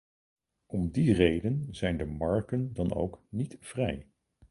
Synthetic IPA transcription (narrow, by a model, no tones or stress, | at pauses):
ɔmdirejdənzɛjndəmɑɹkəndɑno̰wknitv̥rɛj